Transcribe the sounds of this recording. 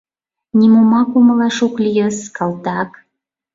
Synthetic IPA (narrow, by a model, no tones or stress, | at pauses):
nʲimomɑkoməlɑʃoklʲijəskɑlt̪ɑk